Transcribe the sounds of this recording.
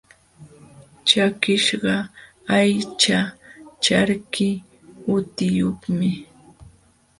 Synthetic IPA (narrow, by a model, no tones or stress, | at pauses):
t͡ʃakɪʃɢɑ | ajt͡ʃat͡ʃaɾkɪ | ʊt̪ɪjoχmɪ